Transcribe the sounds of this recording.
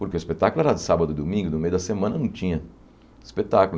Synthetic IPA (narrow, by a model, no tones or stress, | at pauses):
pʊɾkeʊispet̪akʊlʊɛɾɐd̪ɪsabɐd̪ʊd̪omĩŋɡʊnʊmejʊd̪ɐsemɐ̃nɐnɐ̃w̃t͡ʃĩɲɐ | ispet̪akʊl